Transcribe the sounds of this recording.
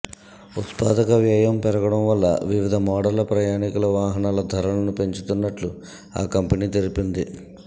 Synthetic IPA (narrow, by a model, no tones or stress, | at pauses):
ut̪paːd̪ɐkɐʋjaːjɐmpɛɾɐɡɐɽɐmʋɐlːɐ̰ʋiʋid̪ʱɐmɔːɽɐlɐpɾɐjaːnikulɐʋaːɦɐnaːlɐd̪ʱɐɾɐlɐnupe̞ɲt͡ʃut̪unːɐʈlu | a̰ːkɐmpɐniːt̪eɾipind̪i